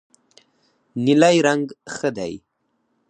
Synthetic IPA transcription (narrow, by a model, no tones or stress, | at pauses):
nilajɾaŋɡxəd̪a̰j